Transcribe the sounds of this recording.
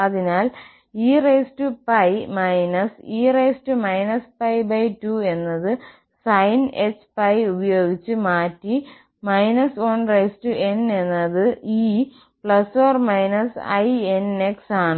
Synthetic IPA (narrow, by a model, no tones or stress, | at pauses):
ɐðinaːl | iːrejstɨpɐjmɐjnɐsiːrejstɨmɐjnɐspɐjbɐjtue̞nːɐðɨ | sɐjnet͡ɕːpɐjubɐjo̞ːɡit͡ɕːɨmaːtːi | mɐjnɐsoːnrejstɨe̞ne̞nːɐðɨiː | pɭɐsfoːrmɐjnɐsɐ̰jeneksaːɳɨ